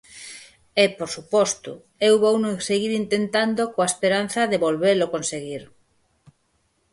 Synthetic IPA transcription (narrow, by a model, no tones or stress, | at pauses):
epoɾsupɔst̪ʊ̰ | ewβownoseɣiɾint̪ent̪and̪okoaespeɾanθɐðeβolβelokonseɣiɾ